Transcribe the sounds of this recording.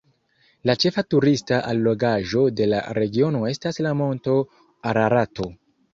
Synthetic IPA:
lat͡ʃe̞fatuɾistaʔalːo̞ɡaʒo̞de̞la̰ɾe̞ɡio̞no̞e̞staslamo̞nto̞ | aɾaɾato̞

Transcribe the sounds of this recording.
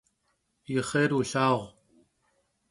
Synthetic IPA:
iχeɾuɬɑːoʁ

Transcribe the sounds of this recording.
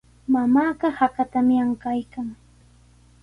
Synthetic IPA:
mamaːɢɑhakat̪amjaŋkajkaŋ

